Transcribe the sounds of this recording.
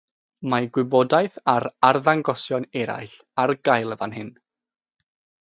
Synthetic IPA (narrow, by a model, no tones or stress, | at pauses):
maɡwɪbɔdajθaɾarðaŋɡɔsjɔnɛɾa̰jɬ | arɡajlˠəvanhɪn